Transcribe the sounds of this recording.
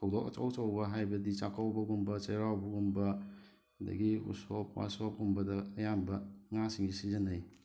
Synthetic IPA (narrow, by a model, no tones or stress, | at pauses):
pʰok̚dɔkɐ̰t͡ʃa̰wt͡ʃawbɐɦajbɐdit͡ʃakʰawbɐɡumbɐt͡ʃeɾawbɐɡumbɐ | dɐ̰ɡiṵsopwa̰sop̚umbɐdɐːjambɐŋasiŋisizɐnɯj